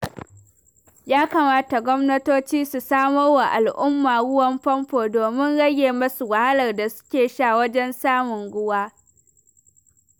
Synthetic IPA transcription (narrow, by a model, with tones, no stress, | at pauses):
jaː˦kaː˨maː˦ta˨ɡʷɔ˦mnɐ˦toː˦t͡ʃiː˦su˨saː˦mɐ˦rwa˨ʔa˨lʔʊ˦mːaː˨ɽʊ˦wɐ˦mɸɐ˦mɸoː˨doː˨mɪ˦nɽɐ˦ɡʲeː˨mɐ˦su˨wɐ˨ha˦lɐ˨rda˨sʊ̥˦kʲeː˨ʃaː˦˨wɐ˦d͡ʒɛ˦nsaː˦mʊ˨ŋɡʷʊ˦waː˦